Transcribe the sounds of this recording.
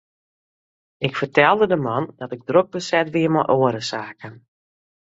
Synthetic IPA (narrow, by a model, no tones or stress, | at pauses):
ɪkfərtɛlˠdədəmɑndɔtɪɡ̚droɡ̚bəsɛtʋiəmɔ̰ʔoəɾəsaːkən